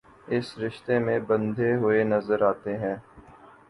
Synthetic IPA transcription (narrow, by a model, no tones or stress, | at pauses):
ɪsɾɪʃt̪emẽbə̃nd̪ʱeɦʊenɐzəɾaːt̪eɦɛ̃ː